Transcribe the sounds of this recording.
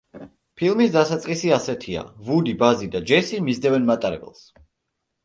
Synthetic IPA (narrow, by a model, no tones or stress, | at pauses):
pʰilˠmisd̪asat̪sʼqʼisiasɛt̪ʰia̰vud̪ibazid̪ad͡ʒɛsimizd̪ɛvɛnmat̪ʼaɾɛ̰bɛ̰lˠs